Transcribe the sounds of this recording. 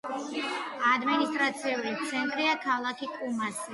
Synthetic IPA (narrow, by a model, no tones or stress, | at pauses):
ad̪minist̪ʼɾat̪sʰiulit̪sʰɛnt̪ʼɾiakʰalˠakʰikʼumasi